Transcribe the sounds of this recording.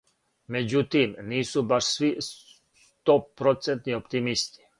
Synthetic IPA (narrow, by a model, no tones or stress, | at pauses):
med͡ʑut̪iːmniːsubaʃsʋi | t̪opɾot̪sent̪niopt̪imist̪i̥